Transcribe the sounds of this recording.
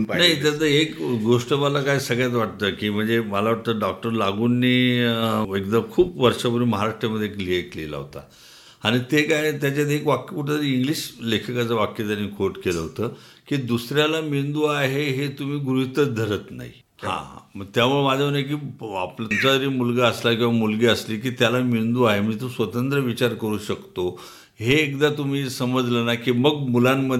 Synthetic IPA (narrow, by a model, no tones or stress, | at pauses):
nait̪jat͡s̪əekɡoʂʈəmalakajsəɡɭjat̪ʋaʈ̚t̪əːkiːm̤əɳd͡zeməlaʋaʈ̚t̪əːɖɔk̚ʈəɾlaɡuːnːiː | ek̚d̪əkʰuːpʋəɾʂapuɾiməɦaɾaʂʈɾjaməd̪ʱjeklieklḛla̰ɦo̰t̪a̰ | aɽ̃it̪ekajt̪jat͡ɕat̪̬ekʋakjəpuʈʰat̪əɾiːiŋɡliːɕlekʰəkat͡səʋakjət̪aɾiːnkʰoɾʈkeləɦot̪əː | kiːd̪usɾjalamind̪uːaɦeɦet̪um̤iːɡɾuɦit̪ət͡sd̪ʱəɾət̪na̰ɦḭ | hã̰məɡt̪jamuɭemad͡z̪ʱənajk̬iːa̰plmt͡ɕat̪əɾiːmulɡaəslakĩw̃ʋamulɡeəsliːkiːt̪jalamind̪uːaɦeməd͡ʑet̪osʋət̪ənt̪ɾəʋit͡ɕaɾkəɾuːɕəkt̪o | ɦeːkd̪at̪um̤iːsəməd͡zlənakiːməɡmulamːəd̪